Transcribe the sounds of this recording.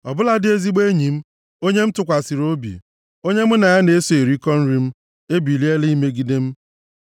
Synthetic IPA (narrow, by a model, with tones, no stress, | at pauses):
ɔ˨bʊ˦la˦dɪ˦e˦zi˦ɡ͡be˦ɲi˨m̩˦ | o˦ɲe˦m̩˦tʊ˨kʷa˨si˨ɾo˦bḭ˨ | o˦ɲe˦m̩˦na˨ja˦ne˨e˦so˨e˨ɾi˦kɔ˦n̩˦ɾi˦m̩˦ | e˦bi˨li˦e˦li˦me˦ɡi˦de˦m̩˦